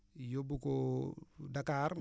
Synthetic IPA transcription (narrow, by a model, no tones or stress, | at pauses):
jobuko | dakaɾ